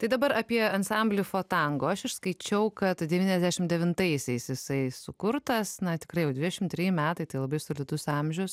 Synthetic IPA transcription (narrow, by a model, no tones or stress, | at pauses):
t̪ɐɪd̪ɐbɐɾɑːpʲiɛɐnsɐmʲbʲlʲʊfoːt̪ɐŋɡoːɐʃɪʃskɐɪt͡ʃʲɛʊkɐt̪d̪ʲɛʋʲiːnʲɛzdʲæːʃʲɪmd̪ʲɛʋʲɪnt̪ɐɪsʲɛɪsjɪsɐɪsʊkʊɾt̪ɐsnɐt̪ʲɪ̥kɾɐɪjɛʊd̪ʲʋʲɪd̪ʲɛʃʲɪmt̪ʲɾʲiːjɪmʲæːt̪ɐɪt̪ɐɪlˠɐbɐɪsoːlʲɪd̪ʊsɑmʲʒʲʊs